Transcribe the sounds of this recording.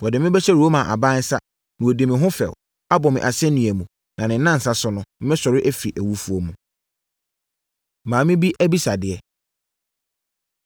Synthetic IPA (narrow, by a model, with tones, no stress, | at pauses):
wɔ˨dɪ˨mɪ̃˦bɛ˦ɕʰɛ˦ɾo˦mã˨ʔa̰˨bã˦n˦sa˦ | nɪ̃˨wo˨di˨mɪ̃˨ɦʊ̃˦fɛ̰˨w | a˦bɔ˨mɪ̃˨ʔa˨sɛ˦nĩ˨æ˨mũ˨ | nã˨nɪ̃˨˦nã˦˨n̩˨sa˦sʊ˨˦nʊ̃˦m̩˦mɪ̃˦sɔ˨ɾɪ˦ʔæ˦fi˨ʔæ˨wu˦fu˦o˨mũ˨ | mãː˨˦mɪ̃˦bi˦ʔæ˦bi˦sa˨dɪ˨ɛ˦